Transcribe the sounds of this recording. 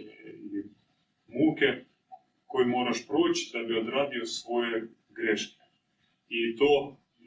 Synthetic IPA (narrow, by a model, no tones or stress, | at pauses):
ii | muːke | kojimoːɾaʃpɾot͡ʃi̥d̪abiod̪ɾaːbiosʋo̞je | ɡɾeʃke̥ | it̪oː